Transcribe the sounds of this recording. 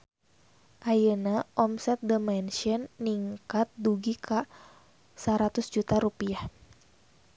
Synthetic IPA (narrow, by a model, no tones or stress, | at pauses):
ʔajənaʔɔmsɛt̪̚dəmɛnʃiɔnːiŋkat̪̚duɡikʰa | saɾat̪ʊsd͡ʒut̪aɾupiah